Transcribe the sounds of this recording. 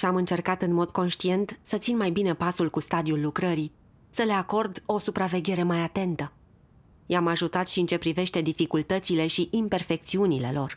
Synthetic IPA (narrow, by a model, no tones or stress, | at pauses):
ʃiamɨnt͡ʃe̞rkat̪ɨnmo̞d̪ko̞nʃt̪ie̞nt̪sət̪sinmajbine̞pasulkust̪ad̪iulːukɾəɾi | səle̞ako̞rd̪o̞supɾave̞ɡʲe̞ɾe̞majat̪e̞nt̪ə | jamaʒut̪at̪ʃiɨnt͡ʃe̞pɾive̞ʃt̪e̞d̪ifikult̪ət̪sile̞ʃiʔimpe̞rfe̞k̚t̪siunile̞̰lo̞r